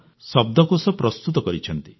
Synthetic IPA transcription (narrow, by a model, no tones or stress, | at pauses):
sɔb̚d̪ʱɔkusɔpɾɔst̪ut̪ɔkɔɾit͡ʃʰɔnt̪i